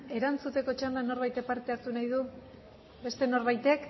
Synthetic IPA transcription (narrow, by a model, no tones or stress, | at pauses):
e̞ɾant͡sut̪e̞ko̞t͡ʃand̪ano̞ɾβajt̪epaɾt̪e̞aɾt̪unajðu | be̞st̪e̞no̞ɾβajt̪e̞k